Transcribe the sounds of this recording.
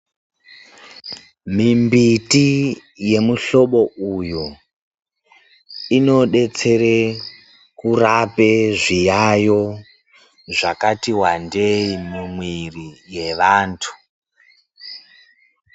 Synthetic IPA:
mimbitije̞muɬo̞ɓo̞ʔuju | ino̞ɗe̞t͡se̞ɾe | kurapeʐijajo̞ | ʐakatiwandeimimwirije̞ʋaːntʰu̥

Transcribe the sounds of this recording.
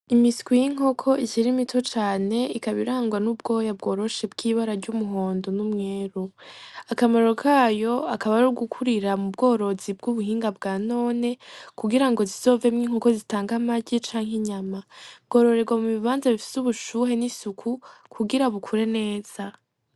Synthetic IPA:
imiskwijiŋ̥o̞kʰo̞iʃiɾimitʰot͡ʃaːne̞ikaβiɾaːŋɡwanub̚ɡo̞jab̚ɡo̞ːɾo̞ʃe̞bɡiːβaɾaɾɟumuɦo̞ːndo̞numŋe̞ːɾu | akamaɾo̞kʰaːjo̞akaβaɾuɡukʰuɾiɾamub̚ɡo̞ːɾo̞zib̚ɡuβuɦiːŋɡab̚ɡaːno̞ːne̞kuɡiɾaŋɡo̞zizo̞ːve̞mŋiːŋ̥ho̞ko̞zitaːŋɡamaɟit͡ʃaːŋ̥ɦeɲamabɡo̞ːɾo̞ɾe̞ɡwamuβiβaːnzaβifi̥suβuʃuːɦe̞nisukʰukʰuɡiɾaβukʰuɾe̞ne̞ːz̥a

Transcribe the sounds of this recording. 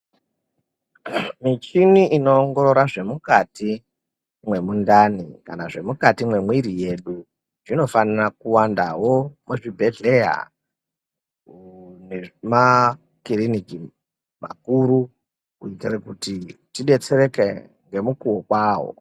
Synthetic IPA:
mit͡ʃiniʔino̞ːŋɡo̞ɾo̞ɾaʐe̞mukati | mwe̞mundanḭka̰naʐe̞mukatimwe̞mwiɾije̞ɗu | ʐino̞fanirakuwandawo̞muʐibʱe̞ɮe̞ja̰ | nema | kiriniki | ma̰kuɾu | kuitirekutitiɗe̞t͡se̞re̞ke | ŋɡe̞mukuwokwaːɦo̞̰

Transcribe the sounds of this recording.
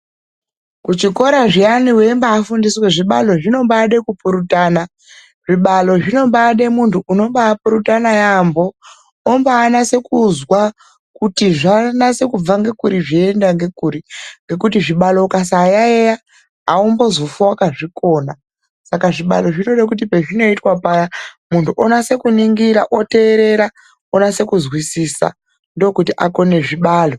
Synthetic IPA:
kut͡ʃiko̞ɾaʐianiwembaːfundisweʐiɓa̰lo̞ʐino̞mbaɗekupuɾutaːna | ʐ̥iɓalo̞ʐino̞mɓaɗemuntʰuʔːno̞mɓaːpuɾutanajambo̞ː | mbaːnase̞kuzwa | kutiʐanase̞kub͡vaŋɡe̞kuɾiʐiendaŋɡe̞kuɾiŋɡe̞k̬ut̬iʐiɓalo̞kas̬aːjaeja | aumbozofuwakaʐiko̞ːna | sakaʐiɓa̰lo̞ʐino̞ɗak̬ut̬ipe̞ʐino̞itwapajamuntʰuʔonase̞kuniŋɡiɾaʔote̞ːɾe̞ɾa | onase̞kuzwisisa̰ | ndookutiʔako̞ne̞ʐiɓaːlo̞

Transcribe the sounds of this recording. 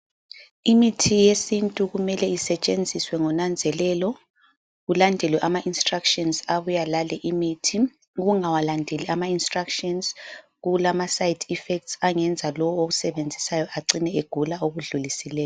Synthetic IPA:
imitʰijesintʼuɣumɛlɛisɛt͡ʃʼend͡zʱiswɛŋɔnand͡zʱɛlɛlɔ | ɣulandʱɛlwɛʔamaʔinstʼrakʃʼɔnsaβujalalɛʔimitʰi | ɣuŋawalandʱeliamainstrakʃɔnz | ɣulamasajidʰifɛk̚tsaŋɛnd͡zʱalɔwoɣusɛβend͡zʱisajɔʔaǀinɛeɡ̥ʱulaoɣuɮulisɛlɛːjɔ

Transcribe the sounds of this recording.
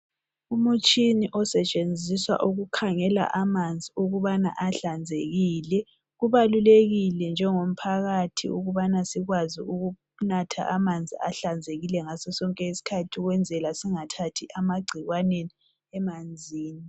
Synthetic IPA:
umut͡ʃʼiniʔɔsɛt͡ʃʼend͡zʱiswa̰ʔuɣukʰaŋɛla̰ʔamand͡zʱiuɣuβana̰ʔaɬand͡zʱeɣiːlɛ | ɣuβaluleɣilɛnd͡ʒʱɛŋom̩pʰaɣatʰḭuɣuβanasiɣwaziuɣu | natʰa̰ʔamand͡zʱiaɬand͡zʱeɣilɛŋasɛsɔŋkʼɛisi̥kʰatʰiɣwɛnd͡zʱɛlasiŋatʰatʰiʔamaɡ͡ǀʱiɣwaneni | ɛmand͡zʱiːni

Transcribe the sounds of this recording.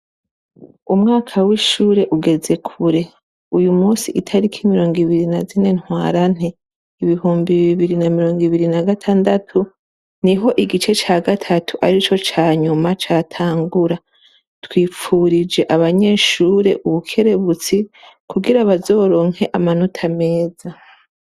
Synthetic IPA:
umŋaːkʰawiʃuːɾe̞ʔuɡe̞ze̞kʰuɾe̞ | ujumuːsiʔitʰaɾikʰimiɾo̞ːŋɡiβiɾinazine̞n̥hwa̰ːɾan̥e | iβiɦuːmbiβiβiɾinamiɾo̞ːŋɡiβiɾinaɡatʰaːndatʰu | niɦo̞ʔiɡit͡ʃe̞t͡ʃaːɡatʰatʰuʔaɾit͡ʃo̞t͡ʃaːɲumat͡ʃaːtʰaːŋɡuɾa | twiːp͡fuɾid͡ʒe̞ʔaβaɲe̞ːʃuːɾe̞̰ʔuβukʰe̞ɾe̞βut͡sikuɡiɾaβazo̞ːɾo̞ːŋ̥he̞ʔamanotʰame̞ːza

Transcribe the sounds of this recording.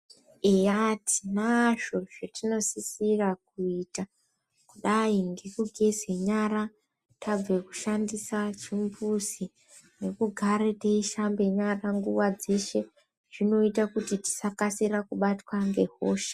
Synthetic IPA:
eati̥naʐo̞ʐetino̞sisirakuita | kuɗaiŋɡe̞kuɡʱe̞zwe̞ɲaɾa | tab͡veku̥ʃandisat͡ʃimbusi | ne̞kuɡʱaɾeteiʃambe̞ɲaraŋɡuwad͡ze̞ʃe̞ | ʐ̥ino̞itakutiti̥sakasirakuɓatwaŋɡe̞ɦoːʃḁ

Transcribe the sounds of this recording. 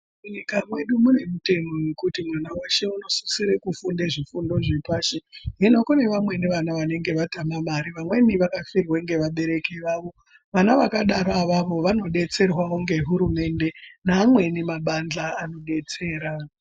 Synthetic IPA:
muɲikamwe̞ɗumune̞mute̞mo̞jekutimwanawaʃe̞uno̞su̥siɾe̞kufundeʐifundo̞ʐepaːʃeɦino̞kone̞ʋamwe̞niʋanaʋane̞ŋɡe̞ʋatamamaɾiʋamwe̞niʋakafirweŋɡe̞ʋaɓe̞ɾe̞keʋaːʋo̞ | ʋanaʋakaɗaɾaʋaʋo̞ʋano̞ɗe̞t͡se̞rwaoŋɡe̞ɦuɾume̞nde̞naːmwe̞nimaɓand͡ɮaːno̞ɗe̞t͡se̞ːɾa

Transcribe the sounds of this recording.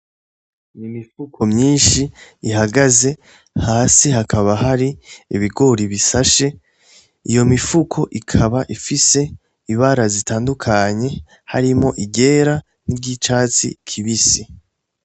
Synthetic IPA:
nimifukʰo̞mɲiːnʃiːɦaɡaze̞ | haːsihakʰaβaɦaɾiiβiɡo̞ɾiβisaʃe̞ | ijo̞mifukʰo̞ʔikʰaβaʔifise̞ | iβaɾazitaːndukʰaɲe̞ | ha̰ɾimo̞ʔiɟe̞ːɾa | nibɟit͡ʃaːt͡sḭkʰiβisi

